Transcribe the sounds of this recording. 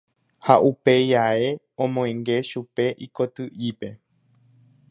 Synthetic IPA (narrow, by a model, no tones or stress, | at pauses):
haʔupe̞jae | õmõẽŋɡe̞ʃupe̞ʔiko̞t̪ɨʔipe̞